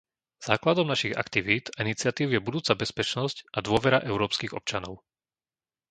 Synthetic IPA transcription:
z̥aːklad̪ɔmnaʃiɣa̰kt̪iʋiːd̪ainit͡sɪat̪iːʊjɛbud̪uːt͡sabɛspɛt͡ʃnɔscʔad̪ʊɔʋɛɾaʔɛʊɾɔːpskiɣɔ̰p̚t͡ʃanɔʊ

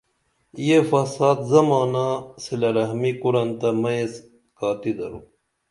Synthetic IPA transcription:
jefɐsaːd̪zɐmaːnasilɐɾɐɦmikuɾɐnt̪ɐmɐs | kaːt̪id̪ɐɾu

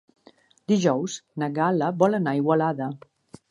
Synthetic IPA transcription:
d̪iʒɔwznəɣaləβɔlənaiɣwəlaðə

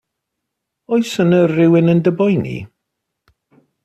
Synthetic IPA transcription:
ɔjsənərɪwɪnəndəbɔjnḭ

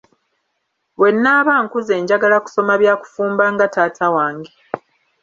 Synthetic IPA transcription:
βwe̞nːaːβaːŋkuze̞ːɲɟaɡalaku̥so̞maβjaːku̥fuːmbaŋɡataːtʰawaːŋɡe

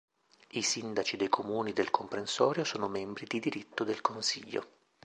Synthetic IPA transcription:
isind̪at͡ʃid̪ejkʰomuːnid̪elkʰompɾensɔːɾjosoːnomɛmbɾid̪id̪iɾit̪ːod̪elkonsiʎːo̰

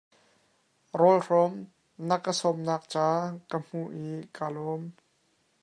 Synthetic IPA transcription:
rɔlrɔm | nəkːəsɔmnaːk̚t͡saːkəm̥uʔikaːlɔm

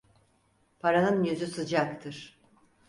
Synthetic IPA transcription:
pʰaɾanɯnjyzysɯd͡ʒakt̪ʰɯɾ̥

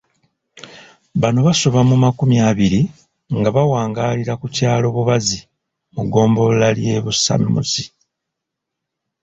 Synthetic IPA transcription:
βano̞βasoβamumakumjaːβiɾi | ŋɡaβawaːŋɡaːliɾakucaːlo̞βuβazi | muɡo̞ːmbo̞lalje̞βusa̰mːṵzi

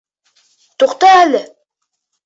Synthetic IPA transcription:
t̪uqt̪ɑælɘ

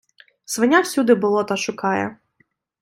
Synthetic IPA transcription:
sʋɐnʲawsʲud̪ɪbʊlˠɔt̪ɑʃʊkɑjɛ̰

